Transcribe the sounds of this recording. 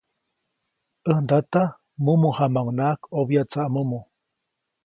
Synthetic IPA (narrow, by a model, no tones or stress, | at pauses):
ʔənd̪at̪a | mumuhamawnaʔkobjat͡saʔmumu